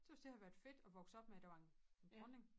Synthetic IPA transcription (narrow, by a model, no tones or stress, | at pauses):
d̥e̝ʋɑ̈sd̥e̝hɑ̈ʋæɐd̥fe̝d̥ɒ̽ʋɒɡ̥sɒ̽b̥meæd̥æʋɑ̈nend̥ʁɔne̝ŋ